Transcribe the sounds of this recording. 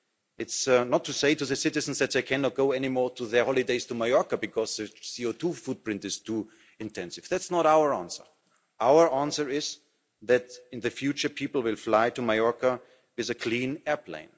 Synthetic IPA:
ɪtsnɔtʰːuseɪtuðɨsɪɾɨz̃n̩sðɛt̪̚ðeɪkʰæ̃nɔt̚ɡ̥oʊɛnimɔɹtʰuðə˞hɔlˠideɪz̥tʰumajɔɹkabɨkʰɔzðɨsioʊtʰufut̚pɹɪ̃ntɨz̥tʰu | ɨ̃ntʰɛ̃nsɪv̥ðætsnɔɾaʊə˞æ̃nsə˞ | ʔaʊə˞ʔæ̃nsə˞ɪz | ðætɪ̃nðɨfjut͡ʃə˞pʰipl̩ˠwɪlˠflaɪtumajɔɹka | wɪðɨkʰl̥ĩːnɛɹpʰlḛ̃ɪ̃n

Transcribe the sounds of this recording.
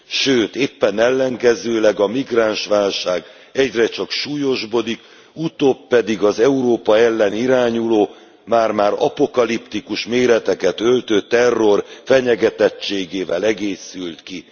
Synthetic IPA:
ʃøːt̪eːpːɛnɛlːɛŋkɛzøːlɛɡɒmiɡraːnʃʋaːlʃaːɡ | ɛɟrɛt͡ʃɒkʃuːjo̞ʒbo̞d̪ik | ut̪opːɛd̪iɡɒzɛuɾoːpɒɛlːɛniɾaːɲuloː | maːrmaːɾɒ̰po̞kɒlipt̪ikuʃmeːɾɛt̪ɛkɛt̪ølt̪øːt̪ɛrːo̞rfɛɲɛɡɛt̪ɛt͡ʃːeːɡeːvɛlɛɡeːsylt̪ki

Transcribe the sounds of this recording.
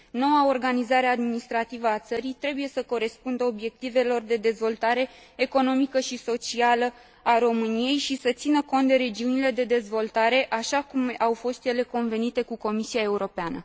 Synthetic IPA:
no̞wao̞rɡanizaɾead̪minist̪ɾat̪ivəat̪səɾijt̪ɾe̞buje̞səko̞ɾe̞spund̪əo̞bje̞k̚t̪ive̞lo̞rd̪e̞d̪e̞zvo̞lt̪aɾe̞ːko̞no̞mikəʃiso̞t͡ʃialə | aɾo̞mɨnije̞jʃisət̪sinəko̞nt̪̚d̪eɾe̞d͡ʒiunile̞d̪e̞d̪e̞zvo̞lt̪aɾe̞ʔaʃakumawfo̞st̪je̞le̞ko̞nve̞nit̪e̞kuko̞misijae̞uɾo̞peanə

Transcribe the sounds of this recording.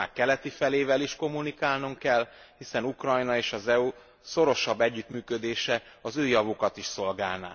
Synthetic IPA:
a̰ːkːɛlɛt̪ifɛleːvɛliʃko̞mːunikaːlnuŋkɛl | hisɛnukrɒjnɒeːʃɒzɛu | so̞ɾo̞ʃɒbːɛɟːyt̪myːkød̪eːʃɛ | ɒzøːjɒvukɒt̪iʃso̞lɡaːlna̰ː

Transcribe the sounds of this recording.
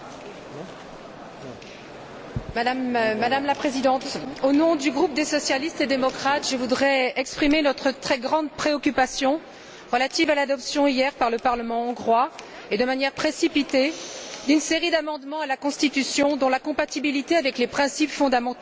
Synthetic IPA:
mad̪amːad̪amlapχezid̪ɑ̃t̪onɔ̃d̪yɡʁup̚d̪esɔsjalist̪ed̪emɔkχat̪ʒəvud̪ʁɛɛkspχimenɔt̪χət̪χɛɡʁɑ̃d̪pχeɔkʲypasjɔ̃ | ʁəlat̪ivalad̪ɔpsjɔ̃ijɛʁpaʁləpaʁləmɑ̃ɑ̃ɡʁwa | ed̪əmanjɛʁpχesipit̪ed̪ynseʁid̪amɑ̃d̪mɑ̃alakɔ̃st̪it̪ysjɔ̃d̪ɔ̃lakɔ̃pat̪ibilit̪eavɛklepχɛ̃sipfɔ̃d̪amɑ̃t̪

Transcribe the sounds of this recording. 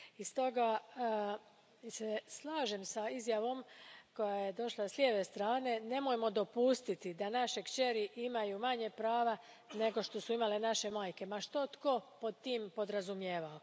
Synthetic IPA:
ist̪o̞ɡa | seslˠaːʒe̞msaizjaʋo̞mko̞jajed̪o̞ʃlasljeʋest̪ɾaːne̞ne̞mojmo̞d̪o̞pust̪it̪id̪anaʃekt͡ʃe̞ɾiʔimajumaɲe̞pɾaːʋa | ne̞ɡo̞ʃt̪o̞suimalenaʃe̞maːjke̞maʃt̪o̞t̪ko̞pod̪̚t̪iːmpo̞d̪ɾazumjeːʋao

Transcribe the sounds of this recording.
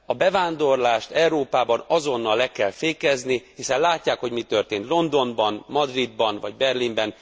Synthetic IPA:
ɒbɛvaːnd̪o̞rlaːʃt̪ɛuɾoːpaːbɒnɒzo̞nːɒlːɛkɛlfeːkɛznihisɛnlaːcːaːkho̞ɟmit̪ørt̪eːnt̪lo̞nd̪o̞nbɒnmɒd̪rid̪̚bɒnvɒ̰ɟbɛrlimbɛn

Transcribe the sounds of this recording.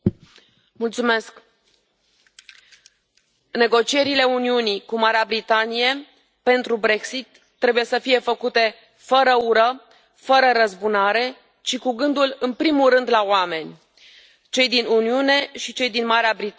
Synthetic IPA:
mult̪sume̞sk | ne̞ɡo̞t͡ʃie̞ɾile̞uniunikumaɾeabɾit̪anije̞ | pe̞nt̪ɾubɾe̞ksit̪ːɾe̞buje̞səfije̞fəkut̪e̞ | fəɾəuɾə | fəɾəɾəzbunaɾe̞ | t͡ʃikuɡɨnd̪ulɨnpɾimulrɨnd̪laoame̞nʲ | t͡ʃe̞jd̪inuniune̞ʃit͡ʃe̞jd̪inmaɾeabɾit̪

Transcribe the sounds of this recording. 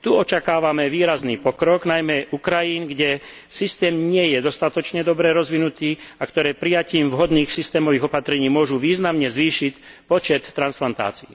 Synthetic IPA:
t̪uɔt͡ʃakaːʋamɛʋiːɾazniːpɔkɾɔɡnajmɛʔukɾajiːnɡɟɛ | sist̪ɛːmɲɪɛjɛd̪ɔst̪at̪ɔt͡ʃɲɛd̪ɔbɾɛɾɔzʋinut̪iːakt̪ɔɾɛːpɾijaciːmvɦɔd̪niːxsist̪ɛːmɔʋiːɣɔpat̪ɾɛɲiːmʊɔʒuʋiːznamɲɛzʋiːʃicpɔt͡ʃɛt̪ːɾansplant̪a̰ːt͡sii

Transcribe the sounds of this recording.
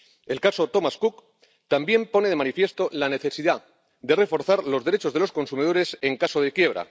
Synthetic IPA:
e̞lkaso̞t̪o̞maskuk | t̪ambje̞mpo̞neðe̞manifje̞st̪o̞lane̞θe̞siða | d̪e̞re̞fo̞ɾθaɾlo̞zðe̞ɾet͡ʃo̞zðe̞lo̞sko̞nsumið̞o̞ɾe̞se̞ŋkaso̞ð̞e̞kje̞β̞ɾa̰

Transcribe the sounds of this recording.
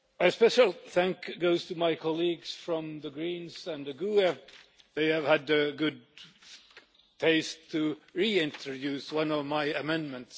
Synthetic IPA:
ɨspɛʃəl̩ˠθæ̃ŋkɡoʊz̥tʰɨmaɪkʰɑliɡz̥fɹʌ̃mðəɡɹĩnzɨ̃nðɨɡuɛ | ðeɪɨv̥ɨdɨɡʊd̚ | tʰeɪstʰɨɹiɪ̃ntʰɹɔdʉswʌ̃nʌvmaɪɨmɛ̃nmə̃nts

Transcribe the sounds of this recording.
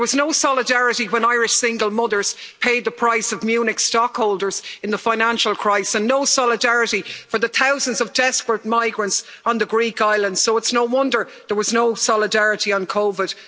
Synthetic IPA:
ðəwɒznoʊsɑlɪdaɹɪɾiwə̃naɪɹɪʃsɪ̃ŋɡəlˠmʊðə˞z̥pʰeɪd̪̚ðəpʰɹ̥aɪsəvmjʉːnɪkstɔkhoʊlˠdə˞z̥ɪ̃nðəfãɪ̃nãnʃəlˠkʰɹ̥aɪssə̃nːoʊsɑlɪdaɹɪɾifə˞ðəθʰaʊzə̃ndzʌvdɛspə˞t̚maɪɡɹə̃nts | n̩ðəɡɹikaɪlə̃ndz̥soʊɪtsnoʊwʌ̃ndə˞ | ðə˞wɒznoʊsɑlɪdaɹɪɾiə̃nkʰoʊvɪd̥

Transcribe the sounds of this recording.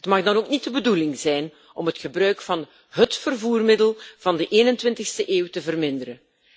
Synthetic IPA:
ətmɑxdɑnoːknit̚dəbədulɪŋzɛjn | ɔmətxəbrœɥkfɑn | ɦətfərvuːrmɪdəlˠv̥ɑndəʔeːnəntʋɪntɪxstəʔeːwtəvərmɪndəɾən

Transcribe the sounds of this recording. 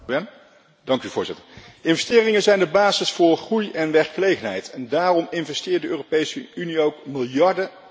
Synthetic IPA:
dɑŋkyvʊːɹzɪtəɹɪnvɛstɪːrɪŋənzɛjndəbaːzɪsfʊːɹχrujɛnʋɛɹkχəlejχənɦɛjtʰɛndaːrɔmɪnvɛstɪːɹt̚dəøːropejsəyniowkmɪlˠjɑɹdə

